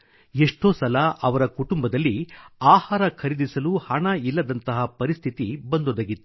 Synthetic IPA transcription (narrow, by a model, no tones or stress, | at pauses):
eʂʈoːsɐlɐʔɐʋɐɾɐkuʈumbɐd̪ɐlːiaːhaːɾɐkʰɐɾid̪isɐluhɐɳɐilːɐd̪ɐnt̪ɐɦɐpɐɾist̪ʰit̪ibɐnd̪od̪ɐɡit̪ːu